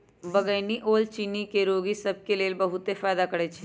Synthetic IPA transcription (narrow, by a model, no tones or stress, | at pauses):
bɐɡəɪniʔoːlt͡ʃiːnikeɾoːɡisɐb̚keleːlbɐɦʊt̪efaːjd̪akɐɽet͡ʃʰe